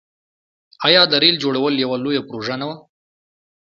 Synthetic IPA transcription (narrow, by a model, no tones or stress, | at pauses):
ɑjɑd̪aɾeld͡ʒoɽawəljawalojapɾoʒanawa